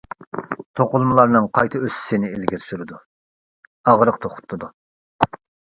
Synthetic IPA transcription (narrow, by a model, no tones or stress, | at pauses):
t̪ʰoqʊlˠmɨlˠɑɾnɨŋqʰɑjt̪ʰɨøsɪ̥sɪnɪelɡʲiɾsyɾɪd̪u | ɑʁɾəq̚t̪ʰoχʰʊ̥t̪ʰːɨd̪u